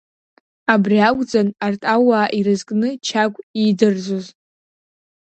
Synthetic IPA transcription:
abriaɡʷʼd͡zʼanartʼawaːʔiɾɨzkʼnɨt͡ʃʰaɡʷʼidɨrd͡zʷoz

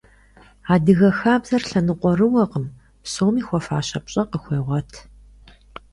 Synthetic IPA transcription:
aːdɨɣɐxaːbzɐrɬɐnɨqʷʼɔrɨwɐqəm | psoːmiːxʷɔfaːɕɐpɕʼɐqəxʷeːʁʷɔtʰ

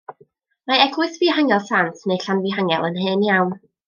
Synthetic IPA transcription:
maɛɡlɨθviːhaŋɛlˠsantʰneɨɬanviɦaŋɛ̰lˠənɦɨːnjawn

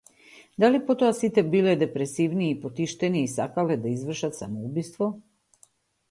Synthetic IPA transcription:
d̪alipot̪oasit̪ɛbilɛd̪epɾesiʋniːpot̪iʃt̪eniːsakalɛd̪aizʋr̩ʃat̪samoubist̪ʋo

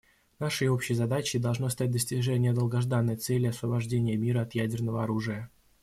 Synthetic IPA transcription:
naʂɨjo̞pɕɪjzɐd̪at͡ɕɪd̪ɐlˠʐnost̪at̚ʲd̪əsʲtʲɪʐɛnʲɪjəd̪əlˠɡɐʐd̪anːəjt̪sɛlʲːɪɐsvəbɐʐdʲenʲɪjəmʲiɾəɐt̪jædʲɪrnəvəɐɾuʐɨjə

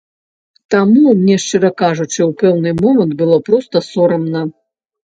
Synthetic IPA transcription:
t̪amumnʲɛʂt͡ʂɨɾɐkaʐut͡ʂɨwpɛwnɨmɔmɐnt̪̚bɨlˠɔpɾɔst̪ɐsɔɾɐmnɐ

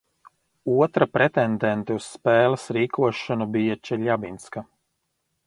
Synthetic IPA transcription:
uɔt̪ɾapɾɛt̪ɛnd̪ɛnt̪ɛusːpɛːlˠɐsɾiːkʰuɔʃɔnubijat͡ʃɛlʲabinska

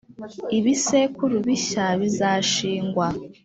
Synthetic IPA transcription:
iβisekuɾuβiɕaβizaʃiːŋɡwa

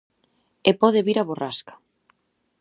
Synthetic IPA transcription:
epɔðeβiɾaβoraskḁ

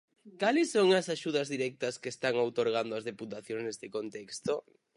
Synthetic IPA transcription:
kalɪsːoŋɐsaʃuð̞ɐzðiɾɛk̚t̪ɐskest̪aŋowt̪oɾɣ̞and̪oɐzðeput̪aθjoŋsnɛst̪ɪkont̪ɛkst̪o

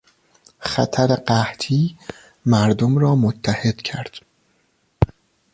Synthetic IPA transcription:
xæ̰t̪ʰæɾeɢæht̪ʰiː | mæɾd̪omɾɒːmot̪ʰːæhe̞d̪̥cʰæɾd̪̥

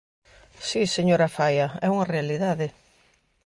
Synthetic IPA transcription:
siseɲoɾɐfajɐɛuŋɐrealiðaðɪ

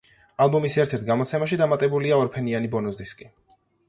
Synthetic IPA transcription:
alˠbumisɛɾt̪ʰɛɾt̪̚ʰɡamɔt̪sʰɛmaʃid̪amat̪ʼɛbuliaɔɾpʰɛnianibɔnuzd̪iskʼi

